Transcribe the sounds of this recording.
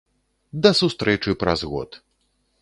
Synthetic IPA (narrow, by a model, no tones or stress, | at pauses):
d̪ɐsust̪ɾɛt͡ʂɨpɾɐ̰zɣɔ̰t̪